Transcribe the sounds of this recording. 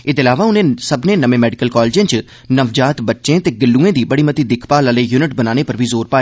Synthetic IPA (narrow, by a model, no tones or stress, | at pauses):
ɪd̪ɪlaːʋaːʊnẽːsəbnẽːnəʋẽːmɛːɖɪkəlkɔːlːd͡ʒẽːt͡ʃ | nəʋd͡ʒaːt̪bətːʃẽːt̪eːɡɪlːuːẽːd̪iːbəɽiːmət̪iːd̪ɪkʰpaːləleːjuːnɪʈbənaːñeːpəɾbʱiːzoːɾpaːeː